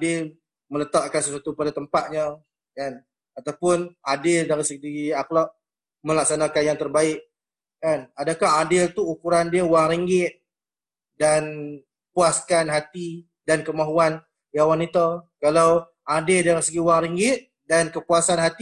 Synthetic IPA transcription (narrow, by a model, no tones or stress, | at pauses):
adɪl | mələt̪aʔkansəswat̪upadat̪əmpat̪̚ɲə | kan | at̪awpʊnadɪldaɾisəɡiaklaʔ̚ | mə̃lak̚sanakanjaŋt̪ərbaɪʔ̚ | kanadakaɦadɪlt̪uːkuɾandiəuwaŋɾiŋɡɪt̪̚ | dan | puaskanɦat̪i | dankəmaɦuan | diawanit̪akalaw | ʔadɪldaɾisəɡiuwaŋɾiŋɡɪt̪̚ | dankəpuasanɦat̪i